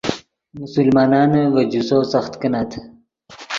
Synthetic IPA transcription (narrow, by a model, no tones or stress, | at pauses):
musulmɑːnɑːnʋɐd͡ʑusoːsɐxt̪kənat̪ʰ